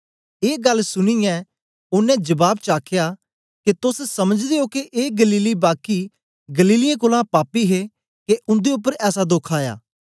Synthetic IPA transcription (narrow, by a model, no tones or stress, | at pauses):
eːɡɐlsʊñijɛ̃ː | ʊnːɛ̃d͡ʒəbaːbt͡ʃaːkʰjaː | ket̪ʊssɐməd͡ʒd̪eokeʔeːɡəliːlibaːki | ɡəliːlɪjãkoːlãpaːpiɦe | keʔʊ̃nd̪eʊp̬ːəɾɛːsad̪oːkʰaːja̰ː